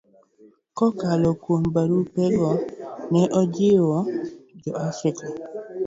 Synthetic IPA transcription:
kɔkalɔkwombaɾupɛɡɔnɛʔɔd͡ʒɪwɔd͡ʒɔafɾɪka

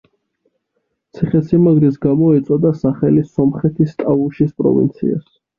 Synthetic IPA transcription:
t̪sʰiχɛsimaɡɾisɡamɔɛt̪sʼɔd̪asaχɛlisɔmχɛt̪ʰist̪ʼavuʃispʼɾɔ̰vḭnt̪sʰḭa̰s

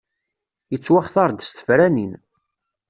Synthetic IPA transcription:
jət͡sːwaχθɑɾˤd̪st̪ə̥fɾænin

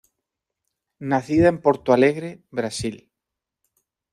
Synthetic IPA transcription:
naθiðaempoɾt̪oaleɣɾeβɾasil

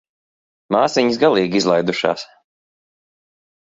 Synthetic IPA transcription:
maːsiɲisɡalˠiːɡizlˠajd̪uʃa̰ːs

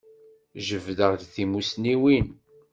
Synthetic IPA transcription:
ʒəvd̪əʁd̪θimusniwin

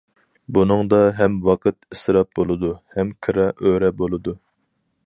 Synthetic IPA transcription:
bunɨŋd̪ɑɦɛmwɑqʰɨt̪ɨsɾɑp̚bolˠɨd̪uhɛmkʰɨɾɑʔøɾɛbolˠɨd̪u

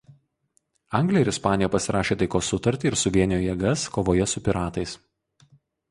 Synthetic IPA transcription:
ɐˑŋɡlʲiːɪɾɪspɑːnʲɪjɛpɐsʲɪɾʔɑːʃʲeːt̪ɐɪkoːsːʊt̪ɐɾʲt̪ʲiːɪɾsʊʋʲiɛnʲɪjoːjɛɡɐskoːʋoːjɛsʊpʲɪɾɑːt̪ɐɪs

